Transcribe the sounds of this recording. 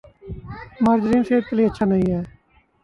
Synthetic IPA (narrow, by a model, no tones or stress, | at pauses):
maːɾd͡ʒɾiːnseːd̪̚kəliːətːʃʰaːnəɦĩɦɛː